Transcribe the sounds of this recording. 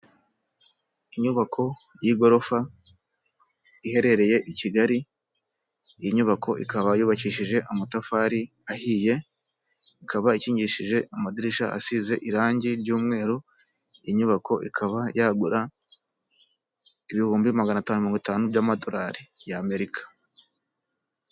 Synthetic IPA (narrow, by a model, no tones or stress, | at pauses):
iɲuβakʰo̞jiɡo̞ɾo̞fa | ihe̞ɾe̞ɾe̞je̞ʔiciɡaɾi | ijiɲuβakʰo̞ʔḭkaβajuːβaciʃiʒe̞ʔamatafaːɾi | ahije̞ | ikaβaiciːɲɟiʃiʒe̞ʔamadiɾiʃaʔa̰size̞ʔiɾaːɲɟiɾɟuːmŋe̞ːɾo | ijiɲuβakʰo̞ʔḭkʰaβajaɡuɾa | iβihuːmbimaɡanataːnumiɾoːŋɡitaːnubɟaːmadoɾaɾijaːme̞ɾikʰḁ